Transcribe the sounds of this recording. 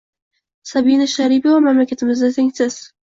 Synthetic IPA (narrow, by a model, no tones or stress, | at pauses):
sabinɪʃaɾibavamamlakʲat̪ʰɪmɪzd̪at̪ʰeŋʲsɪz̥